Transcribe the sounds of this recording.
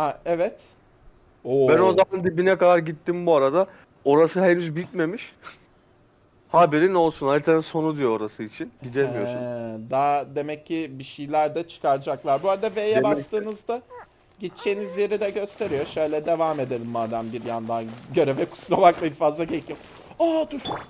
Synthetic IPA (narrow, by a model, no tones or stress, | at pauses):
haɛvɛt̪ | obænozamand̪ibinɛkad̪aɾɟit̪ːimbuaɾad̪a | o̞ɾasɯɦenyzbit̪̚me̞miʃ | habeɾino̞lˠsunhad̪it̪ʰaniso̞nud̪ijooɾasɯit͡ʃʰinid̪emijosud̪aːd̪e̞mɛcʰːibiʃijlʲæɾd̪ɛt͡ʃʰɯ̥kʰaɾd͡ʒaklˠaɾbuaɾad̪avejɛbast̪ɯːnɯzd̪a | ɟit̪t͡ʃʰejinizje̞ɾid̪ɛɟø̞st̪ʰe̞ɾijoʃø̞jlʲɛd̪e̞vaːme̞d̪e̞lʲimːaːd̪æmbiɾjand̪anɟø̞ɾevɛkʰu̥slˠamaklˠaifaːzaɟecʰijo | aːd̪uʃ